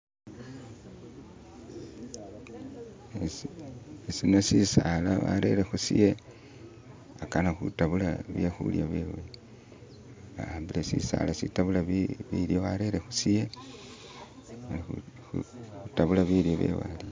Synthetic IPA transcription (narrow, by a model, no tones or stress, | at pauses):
e | esino̞sisalaβa̰ɾe̞̰ɾexusḭje | akanaxutaβulaβjexṵljaβwewe | βahaːmbilesḭsa̰lasitaβulaβiβiɾjo̞βaɾeɾexusije | ali | uutaβulaβiɾjoβḛwa̰li